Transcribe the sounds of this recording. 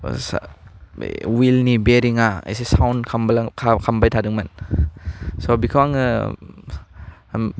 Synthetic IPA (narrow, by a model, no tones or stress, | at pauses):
s | wilnibeɾiŋaa̰js̬esawnkʰambalkʰakʰambajtʰadɯŋman | sobikʰwaŋɯ